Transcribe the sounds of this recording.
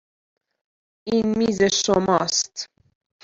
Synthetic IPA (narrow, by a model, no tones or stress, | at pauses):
inmizeʃomɑst̪